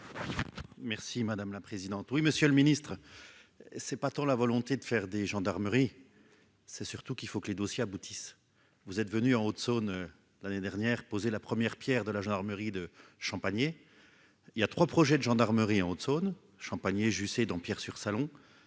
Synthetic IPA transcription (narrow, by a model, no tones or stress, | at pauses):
mɛʁsimad̪amlapχezid̪ɑ̃t̪wiməsjøləminist̪χə | sɛpat̪ɑ̃lavɔlɔ̃t̪ed̪əfɛʁd̪eʒɑ̃d̪aʁməʁi | sɛsyʁt̪ukilfokəled̪osjeabut̪is | vuzɛt̪vənyɑ̃ot̪sonø | laned̪ɛʁnjɛːʁpozelapχəmjɛʁpjɛːʁd̪əlaʒɑ̃d̪aʁməʁid̪əʃɑ̃paɲje | iljat̪χwapχɔʒɛd̪əʒɑ̃d̪aʁməʁiɑ̃ot̪son | ʃɑ̃paɲjeʒysed̪ɑ̃pjɛʁsyʁsalɔ̃